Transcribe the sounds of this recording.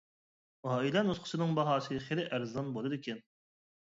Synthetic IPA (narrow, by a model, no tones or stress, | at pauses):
ɑːilɛnusqʰʊ̥ʃɨnɨŋbɑɦɑːsɨʁɨχelɪʔæɾzɑnbolˠɨd̪ɪkʲɛn